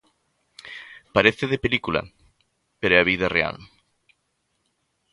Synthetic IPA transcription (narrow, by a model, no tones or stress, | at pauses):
paɾeθeðepelikulɐ̰ | peɾɛaβiðɐrea̰l